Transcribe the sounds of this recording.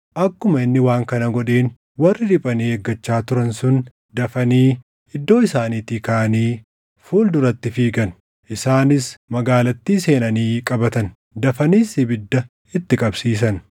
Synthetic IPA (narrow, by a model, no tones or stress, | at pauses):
ʔɐkːʊmɐɪnːɪwaːŋkɐnɐɡɔᶑe̞ːn | wɐrːɪɾɪpʼɐniːeɡːɐt͡ʃːaːt̪ʊɾɐnsʊn | d̪ɐfɐniː | ɪd̪ːo̞ːɪsaːniːt̪iːkaʔɐniː | fuːld̪ʊɾɐt̪ːɪfiːɡɐn | ʔɪsaːnɪsmɐɡaːlɐt̪ːiːse̞ːnɐniːkʼɐbɐt̪ɐn | d̪ɐfɐniːsɪbɪd̪ːɐ | ɪt̪ːɪkʼɐbsiːs̬ɐn